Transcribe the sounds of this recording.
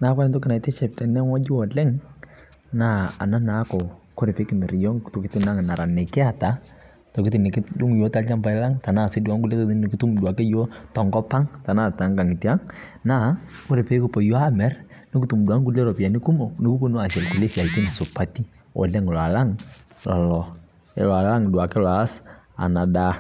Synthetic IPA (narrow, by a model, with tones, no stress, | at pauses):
na˨˦ka˦˨ntɔ˦kɪ˦na˨tɛ˦t͡ʃɛ˨p̚tɛ˨nɛ˦ŋɔ˦d͡ʒɪ˦ɔ˨lɛ˦ŋ | na˦˨a̰˨na˦na˨˦kɔ˨ | ko˦ɾe˨pe˨˦kɪ˨mɛ˨ɾjɔ˦ŋto˨kɪ˦tɪ˦na˦ŋ˨na˨ɾa˨ne˨kɪ˦a˨ta˨˦ | tɔ˨kɪ˦tɪ˨ni˨kɪ˦du˦ŋ˨jo˨˦ta˦lt͡ʃa˦mba˨ɪ˦la˦ŋta˨na˦˨se˦du˨a˦ŋku˦le˦tɔ˦ti˦i˨ki˦tu˦mdu˨a˨ke˦jo˦tɔ˨ŋɡɔ˦pa˦ŋta˨na˦˨ta˨˦ŋka˨ŋi˨ti˦a˦ŋ | na˦ | ko˦ɾe˨pe˦ku˦po˨jo˦a˦mɛ˦r | ni˦ku˦tu˨mdwa˦ŋku˦le˦lɔ˨pi˨a˨ni˦ku˦mo˨ni˨ku˦po˦nu˦a˨sɛ˨lku˨le˦sja˨iti˦n˨su˨pa˦ti˦ | o̰˨lɛ˦ŋ˨la˨la˦ŋlɔ̰˨lɔ˨ | ḛ˨lɔ˨a˨la˦ŋ˨dwa˨ke˦la˨˦sa̰˨na˨da˦